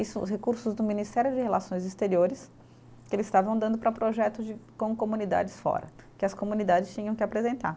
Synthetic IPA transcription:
isʊʊ̰shekuɾsʊzd̪ʊmĩnist̪ɛɾjʊd͡ʒɪɦelasõj̃zist̪eɾioɾɪs | kɪelɪzst̪avɐ̃w̃d̪ɐ̃nd̪ʊpɾɐpɾoʒɛt̪ʊd͡ʒɪkõkomũnid̪a̰d͡ʒɪsfɔ̰ɾɐ̰ | kɪɐskomũnid̪ad͡ʒɪst͡ʃĩɲɐ̃w̃kɪapɾezẽnt̪a̰ɾ

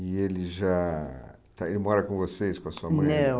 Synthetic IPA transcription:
ɪelɪʒa | t̪aelɪmɔɾɐkõvosejskõɐsuɐɐ̃ñɛ

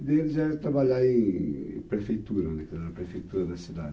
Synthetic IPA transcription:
d̪elɪʒaɛt̪ɾaβaʎaɾẽḛ̃pɾefejt̪uɾɐ̃nɛk̪aɐpɾefejt̪uɾɐd̪ɐsid̪ad̪

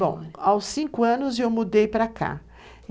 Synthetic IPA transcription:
bõ̰w̃awsːĩkʊɐ̃nʊzewmud̪ejpɾɐka̰

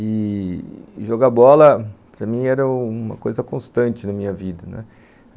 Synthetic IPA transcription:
ɪ | ʒoɡabɔlɐpɾɐmĩɛɾɐ̃uũmɐ̰kojzɐkõst̪ɐ̃nt͡ʃɪnɐmĩɲɐvid̪ɐnɛ̰

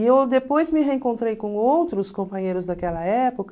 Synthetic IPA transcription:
ewd̪epojzmɪɦeẽŋkõnt̪ɾejkõowt̪ɾʊskõpɐ̃ɲejɾʊzd̪ɐkɛlɐɛpokɐ

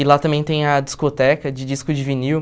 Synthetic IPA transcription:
ɪlat̪ɐ̃mbẽj̃t̪ẽj̃ɐd͡ʒiskot̪ɛkɐd͡ʒɪd͡ʒiskʊd͡ʒɪviniw

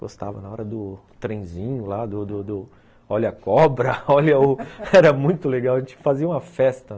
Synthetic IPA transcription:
ɡost̪a̰vɐnɐɔɾɐd̪ʊt̪ɾẽj̃zĩɲʊlad̪ʊd̪ʊd̪ʊ | ɔʎɐkɔbɾɐɔlɐʊɛɾɐmũj̃t̪ʊleɡawɐʒẽnt͡ʃɪ̥faziɐũmɐfɛst̪ɐ

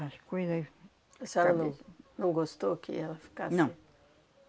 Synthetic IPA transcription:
ɐʃkojzɐ | ɛsɛlɐnɐ̃w̃nɐ̃w̃ɡost̪okɪ̰ɛlɐfi̥kanɐ̃w̃

